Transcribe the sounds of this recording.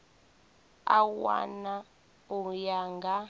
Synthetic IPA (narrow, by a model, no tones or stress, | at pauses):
a̰wa̰na | ujaŋɡa